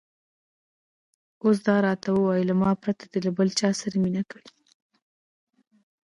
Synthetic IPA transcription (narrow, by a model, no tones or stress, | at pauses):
os̬d̪ɑɾɑt̪awəwɑjilamɑpɾat̪ad̪elabəlt͡ʃɑsaɾaminakaɽi